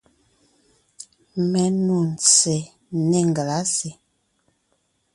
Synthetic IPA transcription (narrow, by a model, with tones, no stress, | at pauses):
mɛ˨nu˨n˨t͡sɛ˨ | nɛ˦˨ŋ˨ɡa˨la˨˦se˨